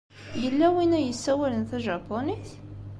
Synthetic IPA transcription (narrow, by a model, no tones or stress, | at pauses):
jəlːæwinæjəsːæwælənθæʒɑpːoniθ